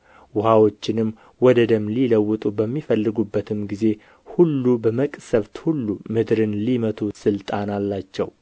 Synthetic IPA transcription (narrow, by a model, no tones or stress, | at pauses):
wʊhawo̞t͡ʃːɪnɨm | wɔd̪əd̪əmːliləwːɨt̪ʼubəmːifəlːɨɡubːət̪ʰɨmɡize̞ | hulːubəməkʼsəβt̪hulːumɨd̪ɾɨnlimət̪ʰusɨlt̪ʼanalːat͡ʃːɛ̰w